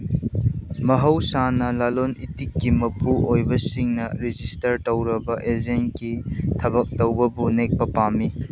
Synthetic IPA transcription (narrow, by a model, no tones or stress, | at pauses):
mɐɦɐwsanɐlalonitikːimɐpʰuojbɐsiŋnɐɾid͡ʒistɐɾtɐwɾɐbɐʔezenkitʰɐbɐk̚tɐwbɐbunek̚pɐpami